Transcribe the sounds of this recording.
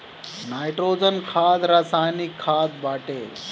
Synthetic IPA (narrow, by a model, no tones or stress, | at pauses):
naːjʈɾoːd͡ʒənkʰaːd̪ɾasaːjnikʰːaːd̪̚baːʈeː